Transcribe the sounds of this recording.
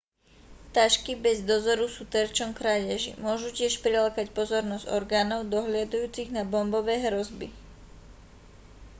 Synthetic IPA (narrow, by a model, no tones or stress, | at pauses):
t̪aʃkibɛzd̪ɔzɔɾusuːt̪ɛɾt͡ʃɔŋkɾaʎɛʒḭmʊɔʒucɪɛʃpɾɛlakacpɔzɔɾnɔzɟɔɾɡaːnɔʊd̪ɔɦlɪad̪ujuːt͡siɣnabɔmbɔʋɛːɦɾɔzbi